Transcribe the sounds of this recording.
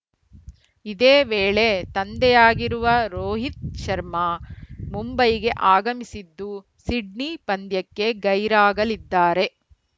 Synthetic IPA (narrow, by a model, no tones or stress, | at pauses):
id̪eːʋeːɭe̞t̪ɐnd̪ɛjaːɡiɾuʋɐɾoːɦit̪̚ʃɐɾmɐmumbɐjiɡe̞ʔaːɡɐmisid̪ːu | siɖnipɐnd̪jɐkːe̞ɡɐjɾaːɡɐlid̪ːaːɾe̞